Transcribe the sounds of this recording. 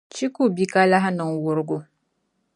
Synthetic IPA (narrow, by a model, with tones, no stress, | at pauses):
t͡ʃi˦ku˦˨bi˦ka˦la˦ɦa˦nə˨ŋwʊ˨ɾɡu˦